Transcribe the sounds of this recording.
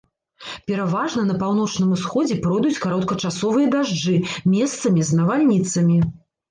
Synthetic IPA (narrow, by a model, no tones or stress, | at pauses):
pʲɛɾavaʐnɐnɐpawn̪ɔt͡ʂnɨmusxɔd͡zʲɛpɾɔjd̪ut͡sʲkaɾɔt̪̚kɐt͡ʂasɔvɨjɐd̪aʐd͡ʐɨmʲɛst̪sɐmʲiznɐvalʲnʲit̪sɐmʲi